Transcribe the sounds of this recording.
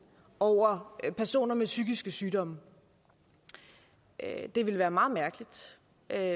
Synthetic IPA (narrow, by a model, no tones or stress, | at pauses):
ɒʊ̰ɐpʰæɐso̝̰ːnɐmesyɡ̥isɡ̥əsyːɾɒ̽m̰ə | d̥e̝ʋe̝lʋæːɐmɑ̈ːð̩ˠmæɐɡ̥əlid̥